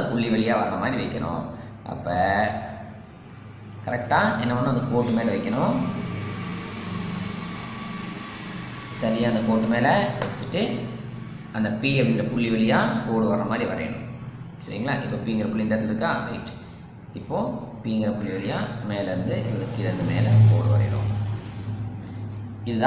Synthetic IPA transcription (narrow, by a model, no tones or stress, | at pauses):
pʊɭːiʋɐɭɪjaːʋɐɾɾɐmaːd̪ɾiʋɐɪkːɐɳʊ̰̃ | ʔɐ̰pːɐ | kɐɾɛk̚ʈaːʔɛnːɐɐnːɯ̃ɐnd̪ɐkoːʈːɯmeːlɐʋɐɪkːɐɳʊ̃ | sɐɾɪjaːnd̪ɐkoːʈːɯmeːlɐʋɐt͡ʃːɯʈːɯ | ɐnd̪ɐpiːɐlnɖɐpʊɭːɪʋɐɭɪjaːkoːɽɯʋɐrːɐmaːd̪ɾiʋɐɾɐ̰jɐ̰ɳʊ̰̃ | sɐɾḭŋɡɐɭa̰ːʔɪpːoːpiːŋɡɪɾɐpʊɭːɪnɖɐɾɐt̪ːɪlɪɾɯkːaːɾɐ̰ɪʈːɯ̥ | ɪpːoːpiːŋɡɪɾɐpʊɭːɪʋɐɭɪjaːmeːlɐɪɾɯnd̪ɯʔʋɐɾɐkːɪɾɐnd̪ɯmḛːlɐkoːɽɯʋɐ̰ɾɐ̰ɐ̰ɽõ̰ː | ɪðɯð